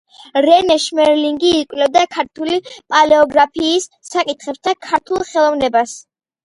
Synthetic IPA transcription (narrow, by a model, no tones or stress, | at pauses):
ɾɛnɛʃmɛɾliŋɡiːkʼwlɛvd̪akʰaɾt̪ʰulipʼalɛɔɡɾapʰiːsːakʼit̪χɛpsd̪akʰaɾt̪ʰulˠχɛlˠɔvnɛbas